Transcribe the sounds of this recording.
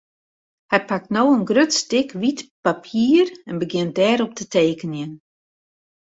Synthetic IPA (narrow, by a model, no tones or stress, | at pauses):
hɛjpak̚tnoːənɡrøtstɪkʋitpapʰiːrɛnbəɡjɪnt̚dɛːɾɔp̚tətʰeːkənjən